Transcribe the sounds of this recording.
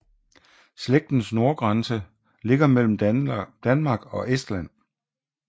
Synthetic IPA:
sleɡ̥̚d̥n̩sno̝ɐɡ̥ʁɑnsə | le̝ɡ̥ɐmel̰m̩d̥ænmɑ̈ɡ̥ɒ̽ʔesd̥læn̰

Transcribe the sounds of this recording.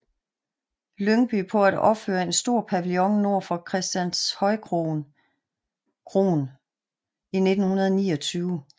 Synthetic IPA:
løŋb̥ypʰɒ̽æd̥ɒ̽b̥føːɐe̝nsd̥o̝ɐ̰pʰæʋilɔ̽ŋno̝ɐ̰fɒ̽kʰʁɛsd̥jænshɒ̽ɪkʰʁo | kʰʁo̝ːn | ine̝d̥n̩hunɐð̞ˠnḭːɒ̽t͡sʰyːʊ

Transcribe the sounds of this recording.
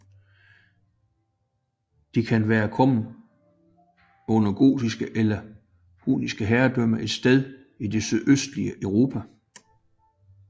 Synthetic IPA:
d̥ikʰænʋæːɐkʰɒ̽m̰n̩ | ɔ̽nɐɡ̥o̝̰ːd̥isɡ̥əʔelɐ | hṵːnisɡ̥əɦæːɐd̥œm̰ɐʔe̝d̥sd̥eð̞ˠ | id̥e̝syðˠøsd̥liəʔœʊʁo̝ːpʰæ

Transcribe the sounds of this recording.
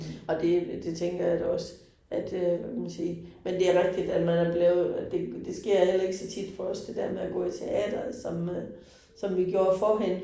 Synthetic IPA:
ɒ̽d̥e̝d̥e̝t͡sʰeŋ̰ɡ̥ɐjad̥ɒ̽sə | ʔæd̥økʰæmænsiːmend̥e̝æɐʁɛɡ̥̚d̥id̥æd̥mænæɐb̥leːʊð̩ˠd̥e̝d̥e̝sɡ̥e̝ɐ̰hel̰ɐe̝ɡ̥əsɒ̽t͡sʰid̥fʰɒ̽ɒ̽sd̥e̝d̥eɐmeæɡ̥ɔ̰̽ːit͡sʰe̝ʔɛ̰ːd̥ɐsɒ̽mø | sɒ̽mʋiɡ̥jo̝ːɐfɒɦen

